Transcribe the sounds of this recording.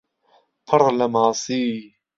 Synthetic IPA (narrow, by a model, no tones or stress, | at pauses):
pʰɨɾˤlɐmaːsiː